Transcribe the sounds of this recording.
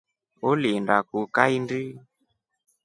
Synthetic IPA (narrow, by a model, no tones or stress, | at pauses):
ɔlindakukaindi